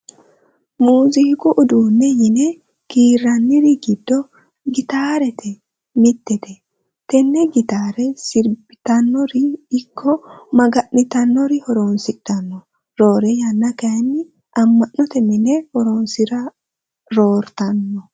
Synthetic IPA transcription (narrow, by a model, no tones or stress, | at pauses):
muːzɪhkʊʔʊd̪uːnːɛjɪnɛ | kiːrːɐnːɪɾɪɡɪd̪ːɔ | ɡɪt̪aːɾɛt̪ʰɛ | mɪt̪ːɛt̪ɛ | t̪ɛnːɛɡɪt̪aːɾɛsɪɾbɪt̪ɐnːɔɾɪɪkːɔmɐɡɐʔnɪt̪ɐnːɔɾɪhɔɾoːnsɪdɐnːɔ | ɾo̞ːɾɛjɐnːɐkɐjnːɪ | ʔɐmːɐʔːɔt̪ɛmɪnɛhɔɾoːnsɪɾɐ | ɾoːɾt̪ɐnːɔ